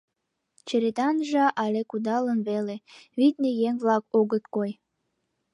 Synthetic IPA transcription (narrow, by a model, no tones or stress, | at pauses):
t͡ɕeɾet̪ɑnʒɑʔɑlekud̪ɑlənβeleβit̪nejeŋβlɑkoɣət̪koj